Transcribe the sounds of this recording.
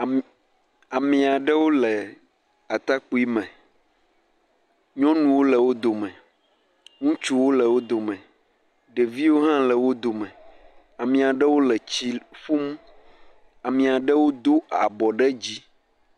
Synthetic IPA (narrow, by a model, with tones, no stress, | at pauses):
a˨mĩ˨a˨ɖɛ˦wo˦lɛ˨ | a˨t̪a˦k͡pu˦i˦mɛ̃˨ | ɲɔ̃˦nũ˨wo˦lɛ˨wo˦d̪o˨mɛ̃˨ | ŋũ˦t͡ʃu˦wo˦lɛ˨wo˦d̪o˨mɛ̃˨ | ɖe˨vi˦wo˦ɦã˦lɛ˨wo˦d̪o˨mɛ̃˨ | a˨mĩ˨a˨ɖɛ˦wo˦lɛ˨t͡ɕi˦fu˦m˦ | a˨mĩ˨a˨ɖɛ˦wo˦d̪o˦a̰˨bɔ˨ɖɛ˦d͡ʑi˦